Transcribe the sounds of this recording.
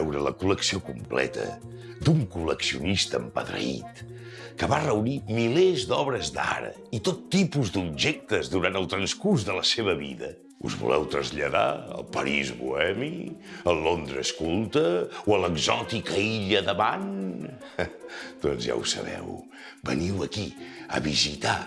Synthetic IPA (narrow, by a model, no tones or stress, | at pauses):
ɛwɾələkuləksiokumplɛ̰t̪ə̰ | d̪uŋkuləksiunist̪əːmpəðɾə̰ḭt̪ | kəβarəunimilezd̪ɔβɾəzd̪a̰ɾə̰ | it̪ot̪ːipuzd̪ub̚ʒɛk̚t̪əzðuɾant̪əlˠt̪ɾənskurzðələseβəβiðə | ṵzβṵlʔɛwt̪ɾəzʎəða̰ə̰lˠpəɾizβṵɛmiəlond̪ɾəskulˠt̪əwələɡzɔt̪ikəiʎəðəβan | d̪̥ɔnzja̰wsə̰βɛ̰w | bəniwəkiə̰βizit̪a